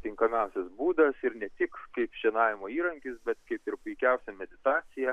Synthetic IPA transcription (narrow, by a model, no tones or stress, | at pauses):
t̪ʲɪŋkɐmʲɛʊsʲɛsbuːd̪ɐsɪɾnʲɛt̪ʲɪkkɐɪpʒʲɛnɑːʋʲɪmoːiːɾɐŋʲkʲɪsbʲɛt̪kɐɪpɪɾpʊɪkʲɛʊsʲɛmʲɛd̪ʲɪt̪ɑːsʲɪjɛ